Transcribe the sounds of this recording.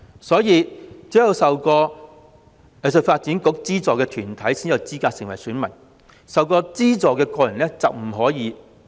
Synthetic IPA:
sɔː˨˥jiː˨˧t͡siː˨˥jɐ˧wsɐ˨wkɔː˧ | ɛ˨˧s̬ə˨˧t̚faː˧t̚t͡si˨˥nkʊ˨˥k̚t͡siː˥t͡sɔː˨˧kɛː˧t̪ʰyː˨˩nt̪ʰɐ˨˥jsiː˥njɐ˨˩wt͡siː˥kaː˧t̚sɪ˨ŋwɐ˨˩jsyː˨˥nmɐ˨˩n | sɐ˨wkɔː˧t͡siː˥t͡sɔː˨˧kɛː˧kɔː˧jɐ˨˩nlɛː˥t͡sɐ˨wm̩˨˩ɦɔː˨˥jiː˨˧˥

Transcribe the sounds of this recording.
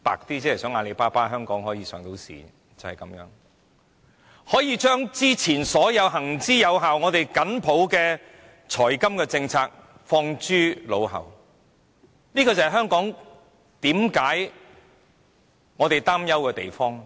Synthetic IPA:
pa̰ː˨k̚t̪iː˥t͡sɛː˨˥hɐ˨˩sœː˨˥ŋaː˧le˨˧jpaː˥paː˥ɦœː˥ŋkɔː˨˥ŋɦɔː˨˥jiː˨˧sœː˨˥ŋt̪o˨˥wsḭː˨˩ | t͡sɐ˨whɐ˨jkɐ˨˥mjœː˨˥ŋ | hɔː˨˥jiː˧t͡ʃœː˥ŋt͡siː˥t͡sʰiː˨˩nsɔː˨˥jɐ˨˧wɦɐ˨˩ŋt͡siː˥jɐ˨˧wɦaː˨wŋɔː˨˧t̪e˨jkɐ˨˥npʰo˨˥wkɛː˧ | t͡ʃʰɔː˨˩jkɐ˥mkɛː˧t͡sɪ˧ŋt͡sʰaː˧k̚ | fɔː˧ŋt͡ʃyː˥lo˨˧wɦɐ̰˨˩w | nliː˥kɔː˧t͡sɐ˨hɐ˨jɦœː˥ŋkɔː˨˥ŋ | t̪iː˨˥mkaː˨˥j | ŋɔː˨˧t̪e˨jt̪aː˥mjɐ˥wkɛː˧t̪ḛ˨jfɔː˥ŋ

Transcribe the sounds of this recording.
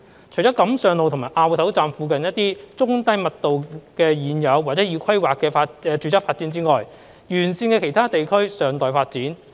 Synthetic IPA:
t͡ʃʰɵ˨˩t͡ɕɔː˨˥kɐ˨˥msœː˨˩ŋlo˨wt̪ʰmaː˨˩jʔaː˧wtʰwt͡saː˧mfuː˧kɐ˨njɐ˥t̚t̪iː˥t͡sʊ˥ŋt̪ɐ˥jmɐ˨t̚t̪o˨wkɛː˧jiː˨˧njɐ˨˧waː˨t̚t͡sɛ˨˥ji˨˧wkʰɐ˥jwaː˨kːɛː˧faː˧ɛː˧t͡ʃyː˨˧t͡sɐ˥faː˧t̚t͡siː˨˥nt͡siː˥ŋɔː˨j | jyː˨˩nsiː˧nkɛ˧kʰe˨˩jt̪ʰaː˥t̪e˨jkʰɵ˥ɥsœː˨˩ŋt̪ɔː˨jfaː˧t̚t͡siː˨˥n

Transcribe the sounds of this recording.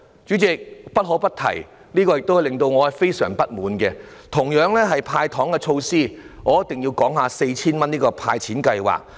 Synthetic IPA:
t͡ʃyː˨˥t͡sɪ˨k̚pɐ˥t̚ɦɔː˨˥wpɐ˥t̚t̪ʰɐ̰˨˩j | niː˥kɔː˧jɪ˨k̚t̪o˥whɐ˨jlɪ˨ŋt̪o˧wŋɔː˨˧hɐ˨jfe˥jsœ̰ː˨˩ŋpɐ˥t̚muː˨˥nkɛː˧t̪ʰʊ˨˩ŋjœː˨˥ŋlɛː˥ɦɐ˨jpʰaː˧jt̪ʰɔː˨˥ŋkɛ˧t͡ʃʰo˧wsiː˥˩ŋɔː˨˦jɐ˥t̪ɪ˨ŋjiː˧wkɔː˨˥ŋɦaː˨˧se˧jt͡sʰiː˥nmɐ˥niː˥kɔː˧pʰa̰ː˧jt͡sʰiː˨˥nkɐ˧jwa̰ː˨k̚

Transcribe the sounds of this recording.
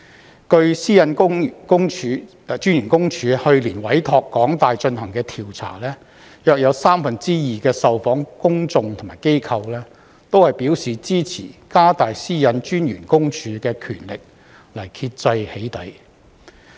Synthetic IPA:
kɵ˧ɥsiː˥jɐ˨˧nʊ˥ŋkʊ˥ŋʰː˨˧ | t͡ʃyː˥njyː˨˩nkʊ˥ŋt͡ʃʰyː˨˧hɵ˧ɥliː˨˩nwɐ˨˥jt̪ʰɔː˧kːɔː˨˥ŋt̪aː˨jt͡ʃɵ˧nhɐ˨˩ŋkɛː˧t̪ʰiː˨˩wt͡sʰa̰ː˨˩lɛː˥ | jœː˨˧k̚jɐ˨˧wsaː˥mfɐ˨nt͡siː˥jiː˨kɛː˧sɐ˨wfɔː˨˥ŋkʊ˥ŋt͡sʊ˧ŋt̪ʰʊ˨˩maː˨˩jke˥jkʰɐ˧wlɛː˥ | t̪o˥whɐ˨jpiː˨˥wsiː˨t͡siː˥t͡sʰḭː˨˩kaː˥t̪aː˨jsiː˥jɐ˨˧nt͡ʃyː˥njyː˨˩nkʊ˥ŋt͡ʃʰyː˨˧˥kɛː˧kʰy̰ː˨˩nlɪ˨k̚ | lɐ˨˩jkʰi˧t̚t͡sɐ˧jhe˨˥jt̪ɐ˨˧j

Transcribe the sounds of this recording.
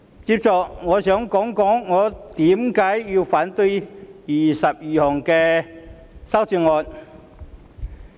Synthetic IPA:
t͡siː˧p̚t͡sɔ˨˧kŋɔː˨˧sœː˨˥ŋkɔː˨˥ŋkɔː˨˥ŋːɔː˨˧t̪iː˨˥mkaː˨˥jːi˧wfaː˨˥nt̪ɵ˧ɥjiː˨˩sɐ˨p̚jiː˨hɔː˨˩ŋkɛː˧ | sɐ˥wt͡siː˧ŋɔː˧n

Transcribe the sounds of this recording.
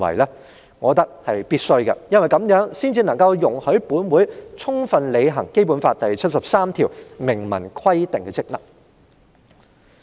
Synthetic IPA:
wɐ̰˨˩jlɛː˥ | ŋɔː˨˧t̪ɐ˥k̚hɐ˨jpiː˥t̚sɵ˥ɥkɐ̰˧jɐ˥nwɐ˨˩jkɐ˨˧˥mjœː˨˥ŋsiː˥nt͡siː˧nɐ˨˩ŋkɐ˧wjʊ˨˩ŋhɵ˨˥ɥpuː˨˥nwuː˨˥jt͡sʰʊ˥ŋfɐ˨nle˨˧jɦɐ˨˩ŋke˥jp̬uː˨˥nfaː˧t̚t̪ɐ˨jt͡sʰɐ˥t̚sɐ˨p̚saː˥mt̪ʰiː˨˩wmɪ˨˩ŋmɐ˨˩nkʰwɐ˥jt̪ɪ˨ŋkɛː˧t͡sɪ˥k̚nɐ̰˨˩k̚

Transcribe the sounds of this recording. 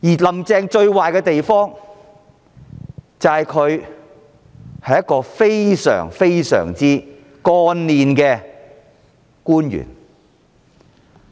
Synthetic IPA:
jiː˨˩lɐ˨˩mt͡sɛː˧ŋt͡ʃɵ˧ɥwaː˨jkɛ˧t̪e˨jfɔː˥ŋ | t͡sɐ˨hɐ˨jkʰɵ˨˧ɥ | hɐ˨jɐ˥kɔː˧fe˥jsœ̰ː˨˩ŋfe˥jsœ̰ː˨˩ŋt͡siː˥ | kɔː˧nliː˨nkɛː˧ | kuː˥njy̰ː˨˩n

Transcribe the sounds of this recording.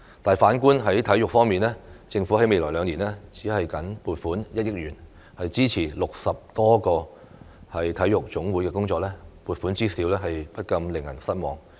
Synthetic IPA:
t̪aː˨˩jfaː˨˥nkuː˥nɦɐ˨˥jt̪ʰɐ˨˥jʊ˨k̚fɔː˥ŋmiː˨nlɛː˥t͡sɪ˧ŋfu˨˥hɐ˨˥jme˨jlɔː˨˩lœː˨˧ŋniː˨˩nɛː˥t͡siː˨˥hɐ˨jkɐ˨˥npuː˨˩t̚fuː˨˥njɐ˥t̚jɪ˥k̚ɥyː˨˩n | hɐ˨jt͡siː˥t͡sʰiː˨˩lʊ˨k̚sɐ˨p̚t̪ɔː˥kɔː˧ | hɐ˨jt̪ʰɐ˨˥jjʊ˨k̚t͡sʊ˨˥ŋwuː˨˥jkɛː˧kʊ˥ŋt͡sɔː˧k̚lɛː˥puː˨t̚fu˨˥nt͡siː˥siː˨˥wlɛː˥ɦɐ˨jpɐ˥t̚kɐ˧mlɪ˨˩ŋjɐ˨˩nsɐ˥t̚mɔː˨ŋ

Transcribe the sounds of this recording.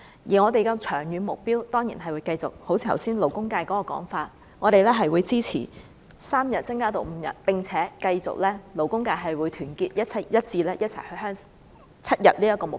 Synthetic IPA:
jiː˨˩ŋɔː˨˧t̪e˨jkɐ˧wt͡ʃʰœː˨˩ŋjyː˨˧nmʊ˨k̚piː˥wt̪ɔː˥ŋjḭː˨˩nɦɐ˨jwuː˨˧jkɐ˧jt͡sʊ̰˨k̚ho˨˥wt͡sʰiː˧ɐ˨˩wsiː˥nlo˨wkʊ˥ŋkaː˧jkɔː˨˥kɔː˧kɔ̰ː˨˥ŋfaː˧t̚ | ŋɔː˨˧ɾe˨jlɛː˥ɦɐ˨jwuː˨˧jt͡siː˥t͡sʰḭː˨˩ | saː˥mjɐ˨t̚t͡sɐ˥ŋkaː˥t̪o˨wm̩˨˧jɐ̰˨˩t̚pɪ˨˩ŋt͡sʰɛː˨˦˥kɐ˧jt͡sʊ̰˨k̚lɛː˥lo˨˩wkʊ˥ŋkaː˧jɦɐ˨jwuː˨˧jt̪ʰyː˨˩nkiː˧t̚jɐ˥t̚t͡sʰɐ˨˥˩jɐ˥t̚t͡siː˧lɛː˥jɐ˥t̚t͡sʰɐ̰˨˩jhɵ˧ɥɦœː˥ŋ | t͡sʰɐ˥t̚jɐ̰˨t̚liː˥jɐ˥kːɔː˧mʊ˨

